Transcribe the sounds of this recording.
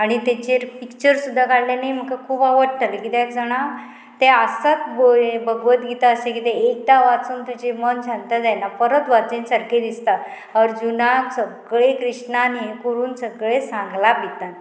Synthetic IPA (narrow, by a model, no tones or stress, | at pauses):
aɽ̃it̪et͡ɕeɾpikt͡ɕəɾsud̪ʱːakaɽlanajm̤əkakʰuːpaʋəɽʈalekit̪ɛkd͡zəɽ̃a | t̪easat̪bobəɡʋət̪ɡit̪aəsekit̪ẽek̚t̪aʋat͡suːnt̪ud͡ʑemənd͡ʑʰʱant̪ad͡zajnapəɾət̪ʋat͡sẽnsəɾked̪ist̪a | əɾd͡ʑunasəɡɭekɾiʂnaniekoɾuːnsəɡɭesãŋɡlabit̪an